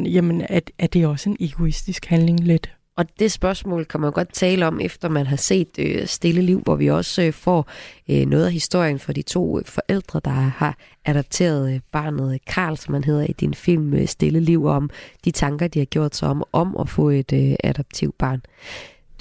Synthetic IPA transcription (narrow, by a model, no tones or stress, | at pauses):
jæmənææɐd̥e̝ɒ̽səeneɡ̥o̝isd̥isɡ̥hænle̝ŋle̝d̥ | ʔɒ̽d̥e̝sb̥ɶɐsmɔ̰̽ːlkʰæmænɡ̥ɒ̽d̥̚t͡sʰɛːləɒ̽mʔefd̥ɐmænɦɑ̈se̝̰ːd̥øsd̥e̝ləliʊ̰ʋɒʋiɒ̽sfɒ̰ːønɔ̽ːðˠæɦisd̥o̝ɐ̰jənfɒ̽d̥it͡sʰo̝̰ːfɒ̽ʔel̰d̥ʁɐd̥ɑ̈hɑ̈ | ʔæɾ̥ɒb̥̚t͡sʰe̝̰ːɐð̞ˠb̥ɑ̰̈ːnð̩ˠkʰɑ̈ːlsɒmhænɦe̝ð̞̰ˠɐid̥infil̰møsd̥e̝ləliʊ̰ɒmd̥it͡sʰɑ̈ŋɡ̥ɐd̥ihɑ̈ɡ̥jo̝ɐ̰d̥sɑɒ̽mʔɒ̽mʔɒfɔ̰̽ːe̝d̥øæd̥ɒb̥̚t͡sʰiʊd̥̚b̥ɑ̈ːn